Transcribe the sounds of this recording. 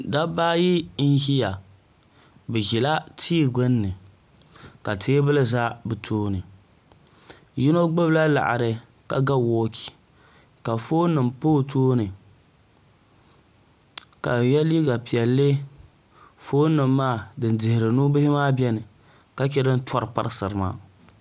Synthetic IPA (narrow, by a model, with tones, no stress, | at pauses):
da˦baː˦ji˦n̩˦ɦi˦ja˨ | bɨ˨ʒi˨la˦tʰiː˦˨ɡɨ˦nːɨ˨ | ka˨tʰeː˦bɨ˦lɨ˦za˦bɨ˨tʰoː˦nɨ˨ | ji˦no˦ɡ͡bɨ˦bla˦la̰˨ʔa̰˨ɾɨ˨ | ka˨ɡa˦wɔː˦ki̥˨ | ka˨foː˦nɨ˨mpoː˦tʰoː˦nɨ˨ | ka˨jɛ˦li˦ɡa˨pi˨ɛ˨lːɨ˦ | foː˦nɨ˨mːaː˦˨dɨ˨n˦dɪ˨hɪ˨ɾɨ˨nu˦bɪ˦hɪ˦maː˦bʲɛ˦nɨ˨ | ka˦t͡ʃɛ˦dɨ˦n˦tɔ˦ɾɨ˨pa̰˦ɾɨ˦sɨ˨ɾɨ˨ma̰ː˦